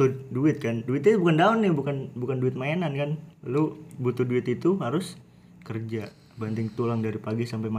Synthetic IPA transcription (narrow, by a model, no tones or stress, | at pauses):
t̪uduɪt̪̚kanduɪt̪it̪ubukandaʊnnɪhbukanbukanduɪt̪̚maɛnankanlalubut̪uduɪt̪it̪uɦaɾʊs | kərd͡ʒa | bant̪ɪŋt̪ulaŋdaɾipaɡisampajma